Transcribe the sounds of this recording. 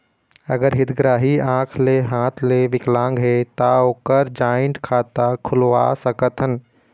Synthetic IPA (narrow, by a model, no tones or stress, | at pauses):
ɐɡəɾɦɪt̪ɡɾaːɦiãːkʰleɦãːt̪ʰleʋɪklãːŋɡɦet̪aoːkəɾd͡ʒaːjə̃ɳʈkʰaːt̪akʰʊlʋa̰səkət̪ɦən